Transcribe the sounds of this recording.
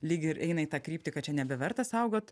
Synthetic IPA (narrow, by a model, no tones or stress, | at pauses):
lʲiːɡʲɪɪɾʔɛɪnɐit̪ɑːkɾʲiːpʲt̪ʲɪkɐt͡ʃʲɛnʲɛbʲɛʋʲɛɾt̪ɐsɐʊɡoːt̪